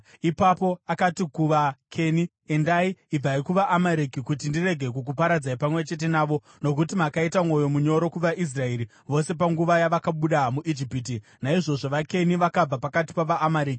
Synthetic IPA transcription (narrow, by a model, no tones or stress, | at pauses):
ipapo̞akatikuʋakʰe̞ni | endaiːb͡vaikuʋaʔːmaɾikikut̬indire̞ɡʱe̞kuk̬upaɾad͡zaipamwe̞t͡ʃe̞t̬e̞naːʋo̞ | no̞k̬utimakaitamŋo̞jo̞muɲo̞ɾo̞kuʋaʔis̬rae̞ɾi | ʋo̞se̞p̬aŋɡuʋajaʋakaɓuɗamuʔid͡ʒipit̬inaiʐo̞ʐo̞ʋake̞niʋakab͡vapakati̥paʋaːmaɾiːki̥